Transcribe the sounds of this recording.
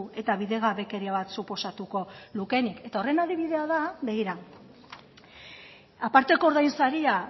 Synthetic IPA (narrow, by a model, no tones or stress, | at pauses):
ue̞t̪aβiðe̞ɣaβe̞ke̞ɾiaβat̪supo̞sat̪uko̞luke̞nike̞t̪ao̞re̞naðiβ̞iðe̞aðaβe̞ɣiɾa | apaɾt̪e̞koɾðajnsaɾia